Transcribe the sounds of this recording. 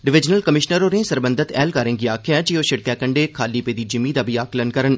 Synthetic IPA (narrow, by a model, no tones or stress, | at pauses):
ɖɪʋɪd͡ʒnəlkəmɪʃnəɾoːɾnẽːsəɾbə̃nd̪ʱɪt̪ɛ̰ːlkaːɾɪ̃ŋɡiaːkʰejãːd͡ʒiːoːʃɪɽ̚kɛːkəɳɖeːkʰaːlipeːd̪iːd͡ʒɪmiːd̪aːbʱiaːklənkəɾən